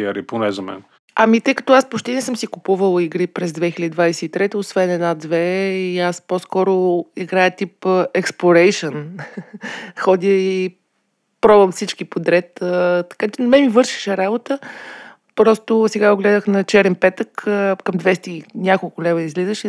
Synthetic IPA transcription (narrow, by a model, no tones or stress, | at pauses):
əɾiponɛzɐmɛ̰n | ɐmit̪əjkɐ̥t̪ɔaspot͡ʃt̪ɛnɛsɤmsikʊpuvəlˠiɡɾipɾɛzd̪vɛxilʲəd̪id̪vajsɛit̪ɾɛt̪əosvɛnɛd̪nad̪vɛiasposkɔɾʊiɡɾajət̪ipəɛksplˠoɾɛjʃən | xɔd̪iəi | pɾɔbɐmfsit͡ʃkipod̪ɾɛt̪ət̪ɐ̥kat͡ʃɛnmɛmivɤɾʃi̥ʃɛɾabot̪ə | pɾɔst̪ʊsɛɡaoɡlɛd̪əxnɐt͡ʃɛɾɛnpɛt̪əkkɐmd̪vɛst̪inʲakolˠkʊlɛvəizlizəʃɛ